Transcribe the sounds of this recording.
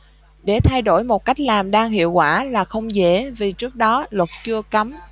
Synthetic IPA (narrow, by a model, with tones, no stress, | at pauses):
ɗe˧˩t̪ʰa˧jɗo˧˩jmo˨˩t̚ka˦˥jk̟̚laː˨˩mɗaː˧ŋhḭ˧˨əwkwaː˧˩laː˨˩xə˧wŋ͡mzḛ˧˩vi˨˩t͡ɕɨ˦˥ək̚ɗɔ˨˦lwə˨˩t̚t͡ɕɨ˧əka˨˦m